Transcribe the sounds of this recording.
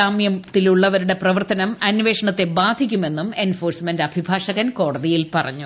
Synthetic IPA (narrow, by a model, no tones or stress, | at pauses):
aːmjɐmt̪ːiluɭːɐʋɐɾuɽe̞prɐʋɐrt̪ɐnɐmɐnʋe̞ːʂɐɳɐt̪ːe̞baːd̪ʱikʲːume̞nːume̞nfoːrsmendɐbʱibʱaːʂɐɣɐnko̞ːɽɐðijilpɐrɐ̰ɲːu